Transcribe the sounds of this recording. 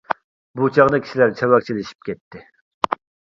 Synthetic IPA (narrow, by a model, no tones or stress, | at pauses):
but͡ʃʰɑʁd̪ɨkʲʰi̥ʃilæɾt͡ʃʰɛwɑk̚t͡ʃʰilɪʃi̥p̚kʲɛt̪ʰːɪ